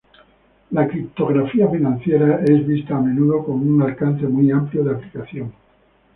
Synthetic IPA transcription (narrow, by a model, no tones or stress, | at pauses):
lakɾip̚t̪o̞ɣ̞ɾafiafinãnθje̞ɾae̞zβist̪aːmẽ̞nuðo̞ko̞nunalkanθe̞mwiampljoðeaplikaθjo̞ŋ